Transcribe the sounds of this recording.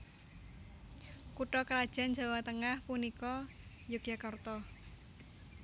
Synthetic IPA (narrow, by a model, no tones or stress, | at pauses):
kuʈɔkɾad̥ʒ̥a̤nd͡ʒa̤wat̪əŋahpunikɔ | jʊkjakart̪ɔ